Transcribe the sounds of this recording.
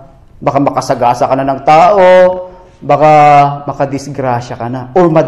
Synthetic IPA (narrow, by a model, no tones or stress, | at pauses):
bɐkamɐkɐsɐɡaːsɐkɐnanɐŋt̪aːʔo | bɐkamɐkɐd̪ɪsɡɾaʃɐkɐnaʔomɐ